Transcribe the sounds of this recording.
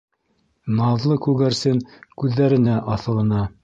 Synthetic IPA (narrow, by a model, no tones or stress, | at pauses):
nɑðlˠɤkʉɡæɾsɘŋkʉðːæɾɘ̆næʔɑθɤ̆lˠɤ̆nɑ